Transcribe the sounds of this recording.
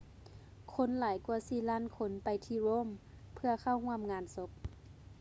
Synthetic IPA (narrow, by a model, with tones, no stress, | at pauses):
kʰo˧˥˨nlaː˨˩˦jku˧˩ɐsiː˧˩laː˥˨nkʰo˧˦npa˨jt̪ʰiː˧˦ɾoː˧˥˨m | pʰɯ˧ɐkʰa˧˩whu˧˥əmŋaː˨˧˥nso˧˦p̚